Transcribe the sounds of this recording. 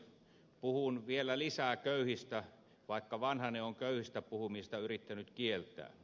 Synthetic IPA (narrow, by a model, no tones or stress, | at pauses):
puhunʋielˑælisækøˑyhist̪æ | ʋɑˑekːɑʋɑnhɑneoŋkøˑyhist̪æpuhumist̪ɑyrit̪ːænyt̪kielt̪ˑæ̰ː